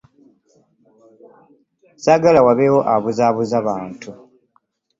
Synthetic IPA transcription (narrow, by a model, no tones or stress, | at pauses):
saɡalawaβewo̞ʔaβuzaβuzaβaːntʰu